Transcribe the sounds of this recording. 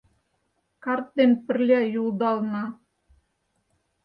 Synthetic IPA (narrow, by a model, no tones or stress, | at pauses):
kɑrt̪̚d̪enpɘ̆rlʲæjulˠd̪ɑlˠnɑ